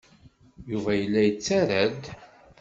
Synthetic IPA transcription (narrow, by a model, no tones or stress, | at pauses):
juvæjəlːæjət͡sːæɾæd̪